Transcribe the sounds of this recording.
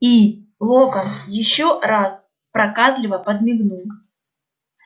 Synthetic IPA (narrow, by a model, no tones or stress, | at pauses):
i | lˠokənjɪɕːoɾas | pɾɐkazlʲɪvəpəd̪̚mʲɪɡnu